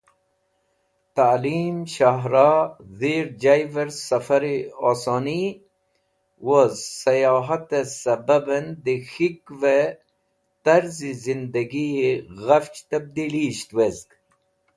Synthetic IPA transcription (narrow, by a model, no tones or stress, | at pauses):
t̪aliːmʃaɦɾɑðiɾd͡ʒajvɐɾsɐfɐɾiosoni | wozsɐjɑːɦɐt̪esɐbɐbɐnd̪ixikve | t̪ɐɾzizind̪ɐɡieɣɐft͡ʃt̪ɐb̚d̪iliɕt̪wezɡ